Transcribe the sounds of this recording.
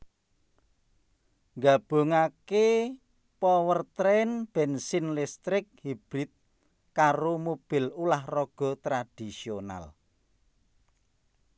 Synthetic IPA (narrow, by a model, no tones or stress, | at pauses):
ŋɡab̥o̤ŋake | pɔwərt̪ɾɛnb̥ɛ̤nsinlɪst̪ɾɪk̚hib̥ɾit̪̚ | kaɾomob̥ɪ̤lulahrɔɡ̥ɔ̤t̪ɾad̪̥isiona̰l